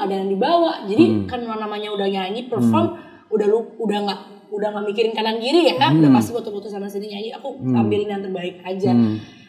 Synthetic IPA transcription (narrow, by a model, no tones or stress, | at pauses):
adaŋandibawaʔd͡ʒadikanmanamaɲaudahɲaɲipərfɔm | udahluudahŋaʔ | udahŋɡaʔmikiɾɪnkanaŋɡiɾijakaudapast̪ibat̪ubɔt̪usanasədiɲaɲiakuampɪlinaant̪ərbaɪk̚ad͡ʒa